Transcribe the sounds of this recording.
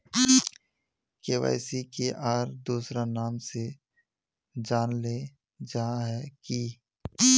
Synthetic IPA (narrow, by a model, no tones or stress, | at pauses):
keːʋa̰ːɪsikeʔaːɾd̪uːsɾanaːmse | d͡ʒaːnle | d͡ʒaɦãɦɛki